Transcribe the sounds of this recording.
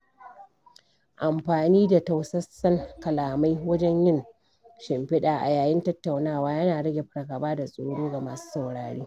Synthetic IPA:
ʔa˨mɸaː˨niː˦da˨ta˨wsɐ˦sɐ˦ŋkɐ˨laː˨ma˦jwɐ˦d͡ʒɛ˦ɲjɪ˦ŋ | ʃɪ˨mɸɪ˦ɗaː˨ʔa̰˨jaː˨jɪ˦ntɐ˦tːa˨wnaː˦˨waː˦jɐ˦naː˨ɽɐ˦ɡʲe˨ɸɐ˦ɽɐ˨ɡa˨baː˦da˨sʼoː˦ɽoː˦ɡa˨maː˨su̥ː˦sa˨wɽaː˨ɽiː˦

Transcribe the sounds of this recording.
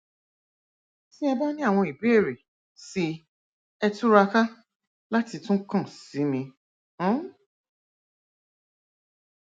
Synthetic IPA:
ti˦ɛ˧ba˦nĩ˦a˦˨w̃ɔ̃˧i˨bi˦e˦˨ɾe˨ | si˧˦ | ɛ˧tu˦ɾa˧ka˦ | la˦ti˧tũ˦kã˦˨si˨˦mĩ˧˦

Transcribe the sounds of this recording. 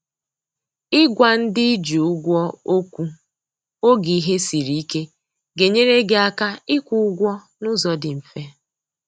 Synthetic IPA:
ɪ˦ɡʷa˨n̩˦dɪ˦d͡ʒu˨ʊ˦ɡʷɔ˦o˦kʷu˦ | o˦ɡi˨i˦ɦe˦si˨ɾi˦i˦ke˦ | ɡe˨ɲe˦ɾe˦ɡe˨a˦ka˦ɪ˦kʷu˦ʊ˦ɡʷɔ˦ | nʊ˦zɔ˨dɪ˨m̩˨fe˦

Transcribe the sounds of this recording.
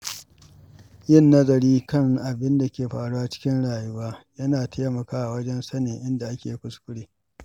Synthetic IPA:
jɪ˦˨nːɐ˦zɐ˨ɾiː˦kɐ˦˨ŋʔa˨bɪ˦nda˨kʲeː˨ɸaː˨ɽu˦ʔa˨t͡ʃɪ̥˦kʲɪ˦nɽaː˨ju˦waː˦jɐ˦naː˨tʰeː˦mɐ˨kaː˦ʔa˨wɐ˦d͡ʒɛ˦nsɐ˦neː˨ʔɪ˦nda˨ʔa˦kʲeː˨˦kʷʊ˦skʷʊ˦ɽeː˦

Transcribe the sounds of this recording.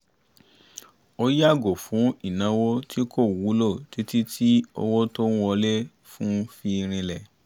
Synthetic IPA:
o˧ja˦˨ɡo˨fũ˨˦i˦˨nã˨˦wo˦tʰi˦ko˦˨wu˨˦lo˦˨ti˨˦ti˦tʰi˦o̰˧wo˦to˦ñ̩˦wɔ˧le˦ | fũ˦fi˧ɾ̃ĩ˧lɛ˨

